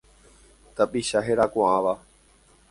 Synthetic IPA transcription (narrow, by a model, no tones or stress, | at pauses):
t̪əɓiːʃaːɦeːɾaːkõːãːʋaː